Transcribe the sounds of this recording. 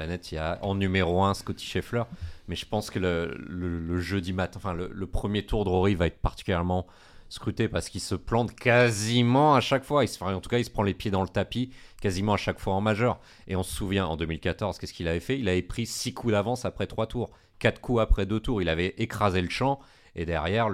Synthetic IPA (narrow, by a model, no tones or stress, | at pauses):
anɛt̪iaʔɑ̰̃nymeʁoɛ̃skɔt̪ʰi̥ʃeflœʁmɛʒəpɑ̃skələlələʒød̪imat̪ɛ̃ɑ̃fɛ̃lə̰ləpχəmjet̪uʁd̪əʁɔʁivaɛt̪χpaʁt̪i̥kʲyljɛʁmɑ̃ | skχyt̪epaʁsə̥kilsəplɑ̃t̪kazimɑ̃aʃakfwaisfɛ̃ɑ̃t̪u̥kailsə̥pχɑ̃lepjed̪ɑ̃lət̪apikazimɑ̃aʃakfwaɑ̃maʒœʁ | eɔ̃sə̥suvjɛ̃ɑ̰̃d̪ømilkat̪ɔʁz̥kɛsə̥kilavɛfɛilavɛpχisikʰud̪avɑ̃sapχɛt̪χwat̪uːʁ | kat̪χkʰuapχɛd̪øt̪uʁilavɛʔekχazeləʃɑ̃ | ed̪ɛʁjɛʁ